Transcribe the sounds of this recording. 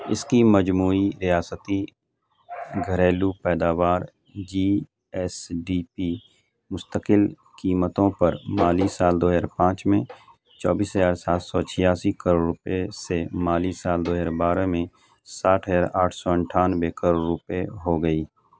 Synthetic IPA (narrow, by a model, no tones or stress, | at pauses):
ɪskiməd͡ʒmuːiɾijaːsət̪i | ɡʱəɾeːlupɛːd̪aːʋaːɾ | d͡ʒiː | ɛsɖiːpi | mʊst̪əkɪl | kiːmət̪õpɐɾmaːliːsːaːld̪oːɦaːɾpãːt͡ʃmẽ | t͡ʃɔːbiːsɦəzaːɾsaːt̪sɔt͡ʃʰɪjaːsikəɾoːɾʊpesemaːliːsaːld̪oːɦaːɾbaːɾəmẽ | saːʈʰɦəaːɾaːʈʰsɔə̃ɳʈʰaːnbekəɾoːɾːʊpeɦoɡəiː